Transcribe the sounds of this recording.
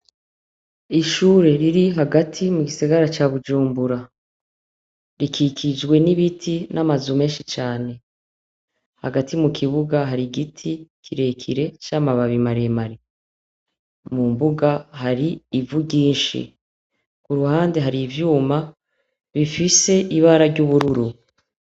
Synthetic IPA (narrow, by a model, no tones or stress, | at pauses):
iʃuːɾe̞ɾiɾiɦaɡatʰimuɡisaɡaɾat͡ʃaːβud͡ʒuːmbuɾa | ɾikʰikʰid͡ʒɡwe̞niβitʰinʔamazume̞ːnʃit͡ʃaːne̞ | ha̰ɡatimukʰiβuɡaɦaɾiɡitʰikʰiɾe̞kʰḭɾe̞t͡ʃamaβaβimaɾemaɾi | mumbuɡaɦaɾiːvuɟiːnʃḭ | kuɾuhaːndeɦaɾiːvjuːma | βifise̞ʔiβaːɾaɾɟuβuɾuɾu